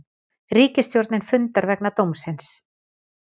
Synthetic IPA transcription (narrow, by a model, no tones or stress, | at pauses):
riːcɪst̪jowɾt̪nɪnfʏnt̪aɾvɛknat̪owmsɪns